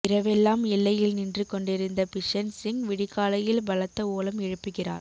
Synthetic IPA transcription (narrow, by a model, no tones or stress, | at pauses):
ɪɾɐʋɛlːaːmɪlːɐjɪlnɪndrɯkːɔɳɖɪɾɯnd̪ɐpɪʂɐnsɪŋʋɪɽɪkːaːlɐjɪlbɐlɐt̪ːɐoːlɐmɛɻɯpːɯɣɪra̰ːɾ